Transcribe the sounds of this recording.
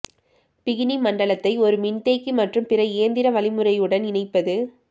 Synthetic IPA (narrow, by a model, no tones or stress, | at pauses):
pɪɣɪnimɐɳɖɐɭɐt̪ːɐɪɔɾɯmɪnt̪eːkːɯmɐʈrɯmpɪrɐɪːɐnd̪ɪɾɐʋɐlɪmɯrɐjɯɽɐnɪnɐɪpːɐðɯ